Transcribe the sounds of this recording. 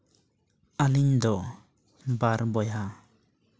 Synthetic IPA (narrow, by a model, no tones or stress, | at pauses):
alind̪ɔ | baɾbɔja